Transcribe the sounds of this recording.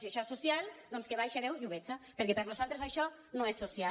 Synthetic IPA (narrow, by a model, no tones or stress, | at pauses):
siaʃɔesusjalˠd̪ɔnskeβajʃeðewʎuβet͡sapəɾkɛpəɾnuzalˠt̪ɾezaʃɔ | nõesːusja